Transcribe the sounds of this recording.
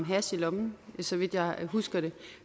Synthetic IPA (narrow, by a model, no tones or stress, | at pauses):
mɦæsilɒ̽mn̩sɒ̽ʋid̥jɑ̈ɪɦusɡ̥ɐɾ̥e̝